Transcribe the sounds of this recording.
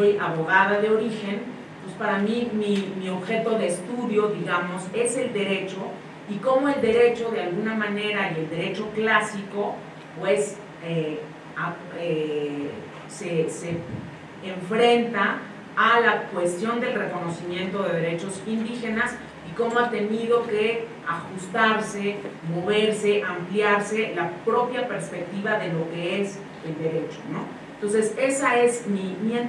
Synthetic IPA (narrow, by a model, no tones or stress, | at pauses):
ojaβo̞ɣað̞aðeo̞ɾixe̞n | pwespaɾamimimio̞βxe̞t̪o̞ðe̞ːst̪uðjo̞ðiɣamo̞se̞se̞ld̪e̞ɾe̞t͡ʃo̞ | iko̞mo̞e̞ld̪e̞ɾe̞t͡ʃo̞ðe̞alɣunamãne̞ɾaie̞ld̪e̞ɾe̞t͡ʃo̞klasiko̞ | pwe̞s | e | a | e | seseː | ɱfɾe̞nt̪aː | lakwe̞st̪jo̞nd̪e̞lre̞ko̞no̞simjẽ̞nt̪o̞ðe̞ðe̞ɾe̞t͡ʃo̞sind̪ixe̞nas | iko̞moat̪eniðo̞ke̞ | axust̪aɾse̞mo̞β̞e̞ɾse̞ʔampljaɾse̞lapɾo̞pjape̞ɾspe̞k̚t̪iβaðe̞lo̞ke̞es | e̞ld̪e̞ɾe̞t͡ʃo̞̥̰no̞ | nt̪o̞ns̬e̞se̞sae̞zmimie